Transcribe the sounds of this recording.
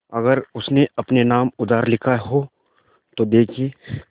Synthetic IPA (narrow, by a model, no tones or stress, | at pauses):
ɐɡəɾʊsneɐpnenaːmʊd̪aːɾlɪkʰaɦo | t̪od̪eːkʰieː